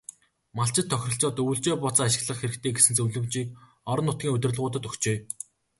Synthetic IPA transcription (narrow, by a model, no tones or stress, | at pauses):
maɬt͡ɕɪ̆t̪ʰːœxʲrə̆ɬt͡sɔːt̪uːɬt͡ɕeːpɔt͡saːaʃɪ̆ɣɮə̆χxeɾɘ̆kt̪ʰeːɡesɘ̆nt͡sɵwɮɵ̆mt͡ɕiːk | ɔɾɞ̆nːʊt̪ɡʲiːŋɵt̪̆ʲrɮʁʊːt̪ə̆t̪ɵxt͡ɕeː